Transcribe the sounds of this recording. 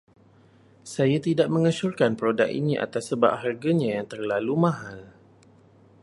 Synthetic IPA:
sajat̪idaʔ̚mə̃ŋət͡ʃurkanpɾoda̰k̚ḭniʔa̰t̪asːəba̰p̚harɡaɲãjaŋt̪ərlalumãɦal

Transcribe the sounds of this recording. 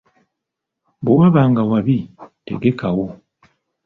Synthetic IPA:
bowaβaːŋɡawaβite̞̰ɡe̞kawo

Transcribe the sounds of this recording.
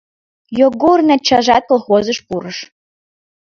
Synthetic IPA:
joɡornæt͡ɕːɑʒɑt̪̚kolˠχozɤ̆ʃpuɾɤ̆ʃ

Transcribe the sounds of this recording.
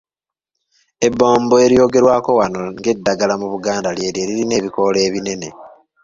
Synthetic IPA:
e̞bːo̞ːmbo̞e̞ɾjo̞ːɡe̞ɾwaːko̞wano̞ŋɡe̞dːaɡalamuβuɡaːndaljeːɾeɾiɾine̞ːβiko̞le̞ːβine̞ne̞

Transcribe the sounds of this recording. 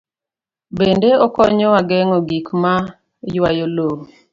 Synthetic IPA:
bendeɔkɔɲɔwaɡɛŋɔɡikma | jwajolo

